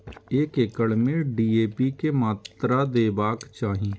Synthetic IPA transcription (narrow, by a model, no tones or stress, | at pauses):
eːkekəɭmẽɖiːeːpikemaːt̪ɾad̪eːbaːkt͡ʃaːɦii